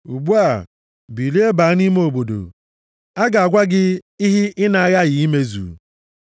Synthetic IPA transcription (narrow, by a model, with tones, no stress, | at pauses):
u˨bu˦a˨ | bi˨li˦e˦ba˨˦a˦ni˦me˦o˨bo˨do̰˨ | a˦ɡa˨a˨ɡʷa˦ɡɪ˦i˦ɦi˦ɪ˦na˨a˦ɣa˦ɣi˨i˦me˦zṵː˨˦